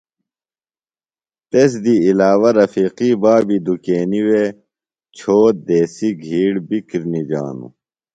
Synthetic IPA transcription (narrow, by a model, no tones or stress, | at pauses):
t̪es̬d̪iilaːwɐɾɐfiːqiːbaːbid̪ukeːniwe | t͡ɕʰoːt̪̚d̪eːsiɡʱiːɽbikiɾnid͡ʑa̰ːnṵ